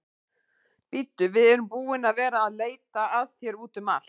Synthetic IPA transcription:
pit̪ːʏvɪðɛɾʏmpuːɪnaðvɛːɾaːðleːjt̪aaðθjɛɾuːt̪ʏma̰l̥

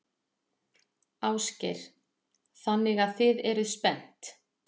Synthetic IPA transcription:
awscɪɾ̥ | θanːɪɣaðθɪðɛɾʏðspɛn̥t̪

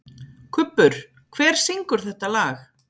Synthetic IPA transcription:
kʰʏpːʏɾ̥ | kʰvɛːɾ̥siŋkʏɾ̥θɛht̪alaːx

